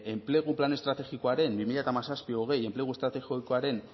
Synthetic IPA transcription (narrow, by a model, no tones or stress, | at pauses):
e̞mple̞ɣ̞uplane̞st̪ɾat̪e̞ɣikoaɾe̞mbimiʎaet̪amasaspio̞ɣ̞e̞je̞mple̞ɣ̞uest̪ɾat̪exioikoaɾe̞n